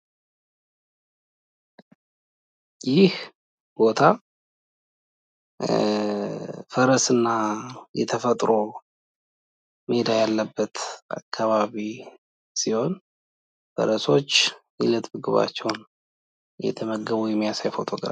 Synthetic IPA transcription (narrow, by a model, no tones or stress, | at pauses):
jɪh | b̥o̞t̪ʰa | fəɾəsɨnːajɛt̪ʰəfət̪ʼɾo | mhed̪ajalːəbːət̪a̰kʰːaβaβi | siho̞n | fə̰ɾəso̞t͡ʃː | ilət̪ʼbɨɡɨβa̰t͡ʃːɛwn | jɛ̰t̪ʰəməɡəβujɛmjasajfo̞t̪ʰo̞ɡɾa̰